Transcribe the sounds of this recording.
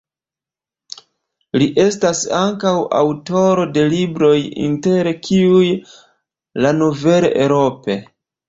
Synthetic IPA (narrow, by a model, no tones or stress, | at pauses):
liʔe̞stasaŋkawʔa̰wto̞ɾo̞de̞libɾo̞jḭnte̞ɾkʰiuj | lanove̞lḛʔeɾo̞pe̞